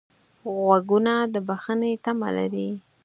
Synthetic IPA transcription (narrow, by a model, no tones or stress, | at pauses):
ɣwaɡunad̪əbaxənet̪ama̰la̰ɾi